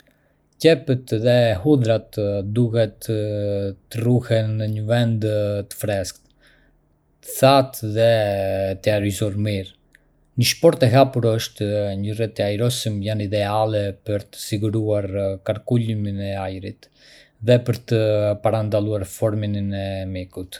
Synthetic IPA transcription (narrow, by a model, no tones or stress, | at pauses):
cɛpət̪ðɛhud̪ɾat̪d̪uhɛt̪ə | əruhɛnəɲəvɛnd̪t̪ə̥fɾɛskt̪ | t̪ə̥θat̪ðɛt̪əaɾizɔɾmiɾ | ɲəʃpɔɾt̪ɛɦapuɾəʃt̪ɲərɛt̪əajɾɔsimjanid̪ɛalɛpəɾt̪ə̥siɡuɾuaɾkaɾkuliminɛajɾit̪ | ðɛpəɾt̪əpaɾand̪alˠuaɾfɔɾmininɛmikut̪